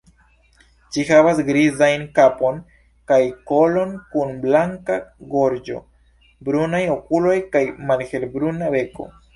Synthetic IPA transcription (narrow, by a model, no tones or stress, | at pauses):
t͡ʃihavasɡɾizajnkapon | kajko̞lo̞nkunblaŋkaɡo̞ɾd͡ʒo̞̰ | bɾunajo̞kulo̞jkajmalhe̞lbɾunabe̞ko̞̰